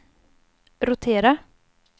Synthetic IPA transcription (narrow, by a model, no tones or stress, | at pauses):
ɾʊt̪ʰeːɾa